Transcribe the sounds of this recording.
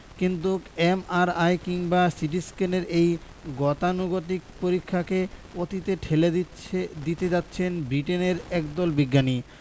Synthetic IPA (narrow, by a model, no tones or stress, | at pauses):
kint̪uemaɾajkiŋbasiʈ̬iskeneɾej | ɡɔt̪anuɡot̪̬ik̚poɾikʰːakeot̪it̪eʈʰele | d̪it̪ed͡ʑatːɕʰenbɾiʈeneɾɛkd̪ɔlbiɡːani